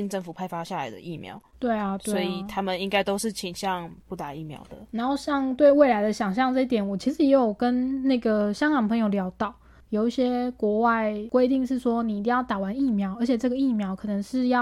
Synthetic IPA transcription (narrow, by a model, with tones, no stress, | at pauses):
i˧˥ŋʈ͡ʂə˥˩ŋfu˨˩pʰa˥˧ɪfa˥ɕja˥˩la̰˨˦ɪd̪ə̰˧ʔi˥˩mjɑ̰˧˦ʊt̪we˥˩ɪa˨˩swwɔ˧˦˥i˨˩t̪ʰa˦mə˨ni˥ŋka˥ɪt̪o˥ʊʂɻ̩˥˩t͡ɕʰi˧˥ŋɕjɑ˥˧ŋpu˥˩t̪a˨˩i˥˩mjɑ̰˧˥ʊd̪ə̰˨na˧˥nxo˥˧ʊɕjɑ˥˧ŋt̪we˥˧ɪwe˥˩ɪla˧˥ɪd̪ə˧ɕjɑ˨˩ŋɕ̬jɑ˥˧ŋʈ͡ʂɤ˥˧i˥˩t̪jɛ˨˦nwɔ˨˩t͡ɕʰi˧˥ʂɻ̩˧˥jɛ˧˥jjo˨˩ʊkə˦nna˥˩ɡə˩ɕjɑ˥ŋkɑ˨˩ŋpʰɤ˧˥ŋjo˨˩ʊljɑ˧˥ʊt̪ɑ˥˩˦ʊ | jo˨˩ʊi˥˩ɕjɛ˥kwɔ˧˥wa˥˩ɪkwe˥ɪt̪i˥˧ŋʂɻ̩˥˩ʂwɔ˥ni˨˩i˥˩t̪i˥˧ŋjɑ˥˩t̪a˨˩wa˧˦ni˥˩mjɑ˧˥ʊə˞˧˥t͡ɕʰjɛ˨˩ʈ͡ʂɤ˥˩ɡə˩i˥˩mjɑ˧˥ʊkʰɤ˨˩nə˧˦ŋʂɻ̩˥˧jɑ˥˩